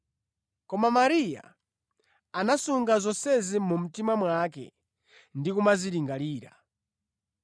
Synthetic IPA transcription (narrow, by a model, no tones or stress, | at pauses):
kɔmamaɾija̰ | anasuŋɡazɔnsɛzimum̩timamwakɛ̰ | ndikumaziɾiŋɡaliːɾa̰